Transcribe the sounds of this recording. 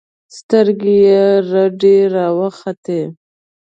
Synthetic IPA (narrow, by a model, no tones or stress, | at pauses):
st̪əɾɡejeɾaɖeɾɑwəxat̪e